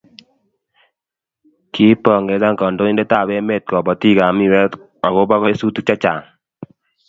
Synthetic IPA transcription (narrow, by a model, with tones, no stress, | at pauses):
kʰi˦pɔ˨ŋɡe˨za˦ŋkɔ˨ndo˦i˦nde˦ta˦˨we˦me˦˨t̪̚kɔ˨bɔ˨ti˦ɡa˨mi˦˨wɛ˦t | a˨ɣo˦ba˦ɣɔ˦e˦su˦tu˦t͡ʃa˦t͡ʃa˨ŋ